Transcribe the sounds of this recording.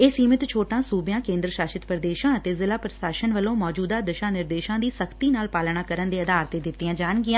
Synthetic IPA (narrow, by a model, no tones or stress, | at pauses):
eːsiːmɪt̪t͡ʃʰoːʈãːsuːbjãːkẽːnd̪ɾəʃaːʃɪt̪pɾəd̪eːʃãːət̪eːzɪlaːpɾəsaːʃənʋəlõːmɔːd͡ʒuːd̪aːd̪əʃaːnɪɾd̪eːʃãːd̪iːsəkʰt̪iːnaːlpaːlɳaːkəɾənd̪eːəd̪aːɾt̪eːd̪ɪt̪ːɪjãːd͡ʒaːɳɡɪãː